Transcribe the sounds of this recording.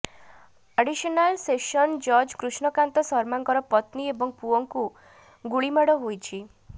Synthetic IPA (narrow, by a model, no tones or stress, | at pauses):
aɖisɔnalsesɔnd͡ʒɔɾd͡ʒkɾuʃɳɔkant̪ɔsɔɾmaŋkɔɾɔpɔt̪niebɔŋpuɔŋku | ɡuɭimaɽɔɦojt͡ʃʰi